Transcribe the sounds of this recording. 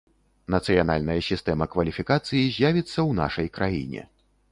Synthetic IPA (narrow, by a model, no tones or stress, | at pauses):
nɐt̪sɨjana̰lʲnɐjɐsʲist̪ɛmɐkvɐlʲifʲikat̪sɨjizʲjavʲit̪sːɐwna̰ʂɐjkɾʔajḭnʲɛ̰